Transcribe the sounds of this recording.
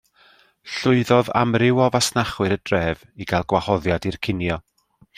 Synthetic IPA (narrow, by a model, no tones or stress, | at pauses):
ɬʊɨðɔða̰mrɪwɔvasnaχwɨɾədrɛːv | iɡalˠɡwahɔðjadirkʰɪnjɔ